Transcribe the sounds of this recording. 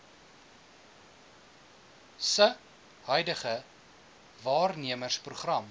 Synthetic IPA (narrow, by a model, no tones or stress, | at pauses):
sə | hœɥdəχə | vɑːrniəmərspruχrɐm